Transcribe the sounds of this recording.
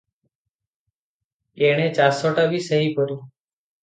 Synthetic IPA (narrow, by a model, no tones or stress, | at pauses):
eːɳ̃ẽːt͡ʃaːsɔːʈaːbʱiːsəɦiːpəɾjũː